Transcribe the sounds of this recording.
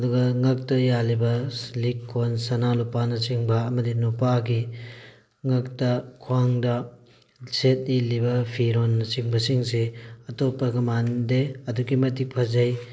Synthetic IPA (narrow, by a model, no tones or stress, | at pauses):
ɐduɡɐŋɐk̚tɐjalibɐlikʰːonsɐnalupanɐsiŋbɐːmɐdinupaɡi | ŋɐktɐkʰwaŋdɐ | set̚nilibɐpʰiɾonːɐsiŋbɐsiŋseɐtopːɐɡɐmandeɐduɡimɐtik̚pʰɐzɐj